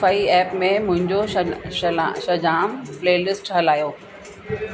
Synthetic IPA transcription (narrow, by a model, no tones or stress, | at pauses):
faːiɛːpmẽmʊ̃ɦɪ̃ɲd͡ʑoʃʃɐd͡ʑaːmpleːlɪsʈɦɐlaːjoː